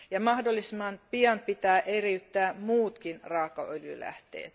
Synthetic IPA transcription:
jɑmɑhdolːisimːɑnpiɑnpit̪æːʔeriyt̪ːæːmuːt̪kinrɑːkɑ̰ʔøljy̰læ̰ht̪ḛːt̪

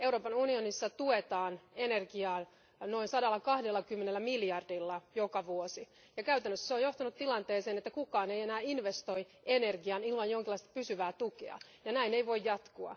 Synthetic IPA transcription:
e̞wɾoːpɑnunionisːɑt̪uet̪ɑːnenerɡiɑː | no̞insɑdɑlːɑkɑhdelːɑkymːenelːæmiljɑrdilːɑjokɑʋuosi | jɑkæyt̪ænːøsːseojo̞ht̪ɑnut̪t̪ilɑnt̪eːseːnet̪ːækukɑːneijenæːinʋest̪oi | ʔenerɡiɑnilmɑnjoŋkilːɑist̪ɑ̥pysyʋæːt̪ukḛɑ̰ | jɑnæineiʋo̞ijjɑt̪kuɑ̰

